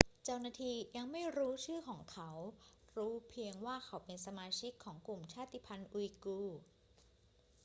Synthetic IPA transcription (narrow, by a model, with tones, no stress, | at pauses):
t͡ɕa˥˩wnaː˧˩t̪ʰiː˧ja˧ŋma˥˩jɾuː˦˥t͡ɕʰɯː˥˩kʰɔː˩˦ŋkʰa˦˥w | ɾuː˦˥pʰi˧əŋwaː˥˩kʰa˦˥wpe˧nsa˧maː˧t͡ɕʰi˦˥kʰːɔː˩˦ŋklu˨˩mt͡ɕʰaː˥˩t̪ːi˧˩pʰa˧nʔu˧i˧kuː˧˩